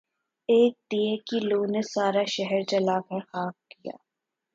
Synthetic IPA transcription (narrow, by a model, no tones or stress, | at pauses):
eːk̚t̪ijẽkiloːnesaːɾaʃɛɦɛɾt͡ʃɐlakɛɾxaːf̚kija̰ː